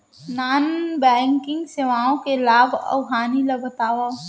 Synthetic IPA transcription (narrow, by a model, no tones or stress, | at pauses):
naːnbɛ̃ːŋkɪ̃ŋɡseʋaːõkelaːbʱɐ̰ʊɦaːnilɐbʱət̪aːʋa